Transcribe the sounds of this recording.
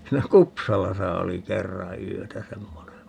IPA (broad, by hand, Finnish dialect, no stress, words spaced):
siːnæ kupsɑlɑsɑ oli kerːɑ yøtæ semːone